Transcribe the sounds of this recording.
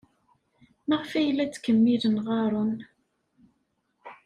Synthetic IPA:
məʁfæjlːæt͡sːkːəmːilənʁɑɾˤon

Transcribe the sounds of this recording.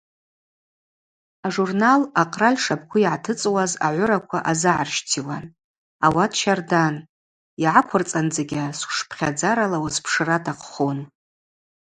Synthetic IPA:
aʐurnalaqʼralʲʂap̚ʰkʷʰʊiʕatʰɨt͡sʼwaza̰ʕʷʊɾakʷʰaʔazɨʕarʃtʰilan | awatʰʃardan | iʕakʷʰʊrt͡sʼand͡zaɡʲasʷʂpʰχʲad͡zaɾalawaspʰʂɨratʰʼaqχon

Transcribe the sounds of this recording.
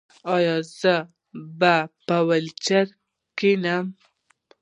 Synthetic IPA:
ɑjɑzə | bapawəlt͡ʃaɾ | kinam

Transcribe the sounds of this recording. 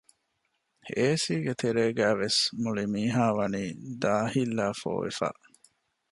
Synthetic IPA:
eːsiːɡet̪eɾeːɡæːʋesmuɭimiːɦaːʋɐniːd̪aːhilːaːfo̰ːʋḛfa̰ːʔ

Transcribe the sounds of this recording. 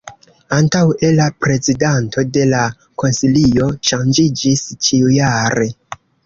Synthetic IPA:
antawe̞lapɾe̞zidantʰo̞de̞la | ko̞nsilio̞ʃand͡ʒid͡ʒist͡ʃiujaɾe̞

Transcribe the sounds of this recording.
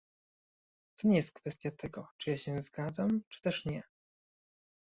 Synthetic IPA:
t̪ɔɲɛjɛst̪̚kfɛst̪ʲjat̪ʰɛɡɔt͡ʂɨjaɕɛ̃zɡad̪zamt͡ʂɘ̥t̪ɛʂɲɛ

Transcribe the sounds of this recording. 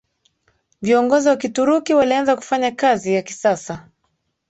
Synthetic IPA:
viɔŋɡɔziwakituɾukiwalianzaku̥faɲakazijaki̥sasa

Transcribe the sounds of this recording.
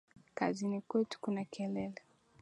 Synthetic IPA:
kazinikwɛtu̥kunakɛlɛlɛ

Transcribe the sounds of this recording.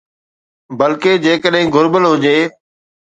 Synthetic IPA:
bəlkeːd͡ʑeːkəɗɦɪ̃ɡʊɾbəlɦʊd͡ʑeː

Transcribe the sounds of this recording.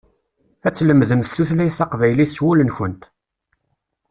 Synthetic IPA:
æt͡sːləmðəmθθuθlæjθɑqvæjliθswulənçənt̪

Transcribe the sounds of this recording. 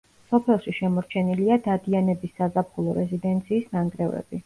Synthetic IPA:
sɔpʰɛlˠʃiʃɛmɔɾt͡ʃʰɛniliad̪ad̪ianɛbisːazapʰχulˠɔɾɛzid̪ɛnt̪sʰiːsnaŋɡɾɛvɛ̰b̥i

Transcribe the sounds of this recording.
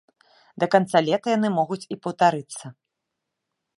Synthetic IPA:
d̪ɐkant̪salʲɛt̪ɐjan̪ɨmɔɣut͡sʲipɐwt̪aɾɨt̪sːɐ

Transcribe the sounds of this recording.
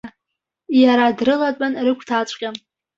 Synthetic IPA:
jaɾadrɨlat͡pʷʼanrɨkʷʰtʰat͡ʃʷʼqʲʼam

